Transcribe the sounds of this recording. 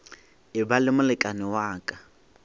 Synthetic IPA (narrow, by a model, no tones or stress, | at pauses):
ɪbalɪmʊlɪkʼanɪwaːkʼa